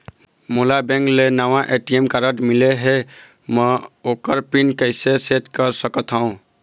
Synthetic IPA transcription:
mulabɛ̃ŋklenawãʔeʈiemkaɾəʈmileɦe | məokəɾpinkəɪseseʈkəɾsəkət̪ʰɦəũ

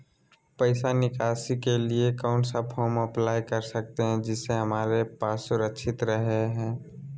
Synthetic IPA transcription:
pəɪsanɪkaːsikeliekaʊɳʈsapʰɔːɾməplaːjkəɾsək̚t̪eɦɛ̃d͡ʒɪseɦəmaːɾepaːsʊɾəkʃʰɪt̪ɾəɦeɦɛ̃ː

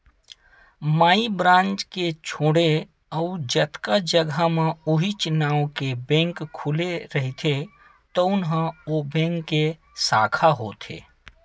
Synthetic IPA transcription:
maːibɾãːnt͡ʃket͡ʃʰoːɽe | əʊd͡ʒət̪kad͡ʒəɡʱamẽuɦit͡ʃnaːokebẽŋkʰːuleɾəɦit̪ʰe | t̪əʊnɦə̃obɛ̃ŋkːe | saːkʰaɦot̪ʰḛː

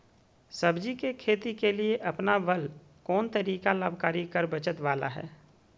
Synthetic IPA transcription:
səbd͡ʒikekʰeːt̪ikelieʔɐpnaʋəl | kɔːnt̪əɾiːkalaːbʱkaːɾikəɾbət͡ʃət̪ʋaːla̰ɦɛ̰ː

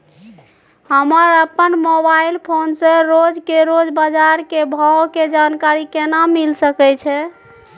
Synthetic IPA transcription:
həməɾəpːənmobailpʰonsẽɾod͡ʒkeɾod͡ʒbad͡ʒaɾkebʱawked͡ʒankaɾikenamilsəkɛt͡ʃʰɛ

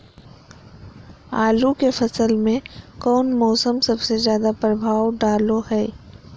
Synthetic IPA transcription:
aːlukefɐsəlmẽkɔːnmɔːsəmsɐbsezjaːd̪apɾəbʱaːwɖaːlohɛː

